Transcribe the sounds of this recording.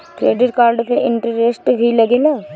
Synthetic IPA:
kɾḛːɖɪʈkaːɾɖpeʔɪ̃ɳʈɾəɾeːsʈbʱilɐɡela

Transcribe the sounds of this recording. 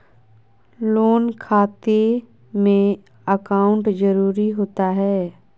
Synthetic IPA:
loːnkʰaːt̪e | mẽ | əkaːʊ̃ɳʈd͡ʒəɾuːɾiɦoːt̪aɦɛː

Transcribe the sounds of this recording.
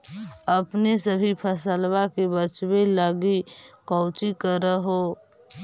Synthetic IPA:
əpnesəbʱipʰəsəlbakebət͡ʃbeləɡikɔ̃ʊt͡ʃikəɾəɦo

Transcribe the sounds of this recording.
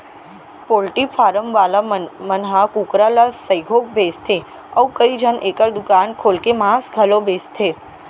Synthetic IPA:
polʈipʰaːɾəmʋalamənɦakukɾalasəjɡʱok̚best̪ʰe | əwkəid͡ʒʱənʔekəɾd̪ʊkankʰolkemãsɡʱəlobest̪ʰe

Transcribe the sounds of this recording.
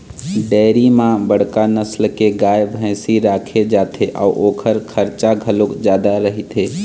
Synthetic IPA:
ɖɛːɾimãbəɽ̤kanəslkeɡaːjbʱə̃ɪ̃siɾaːkʰed͡ʒaːt̪ʰeʔɔ̰ːʔoːkʰəɾkʰəɾt͡ʃaɡʱəlokd͡ʒjaːd̪aɾəɦit̪ʰeː

